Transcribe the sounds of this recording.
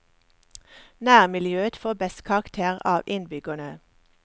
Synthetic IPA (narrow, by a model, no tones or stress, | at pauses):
næːʁmɪljøːət̪foːbɛst̪kʰɑʁɑkt̪ʰeːʁɑːʋʔɪnbʏɡɑnə